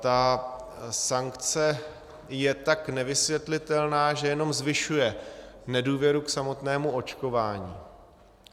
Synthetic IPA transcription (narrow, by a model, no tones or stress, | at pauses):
t̪a | saŋkt͡sɛ | jɛt̪aknɛvɪsvjɛt̪lɪt̪ɛlnaːʒɛjɛno̞mzvɪʃujɛnɛduːvjɛɾuksamo̞t̪nɛːmuo̞t͡ʃko̞vaːɲḭː